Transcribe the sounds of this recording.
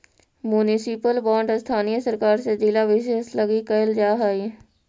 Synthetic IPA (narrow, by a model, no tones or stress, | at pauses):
mjunɪsɪpəlbãːɳɖst̪ʰaːnijəsəɾkaːɾsed͡ʒilaʋɪʃeːsləɡikəəld͡ʒaːɦai